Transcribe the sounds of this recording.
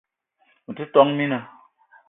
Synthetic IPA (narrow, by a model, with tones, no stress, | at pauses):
m̩˨ti˦tɔ˦ŋmi˦nə˨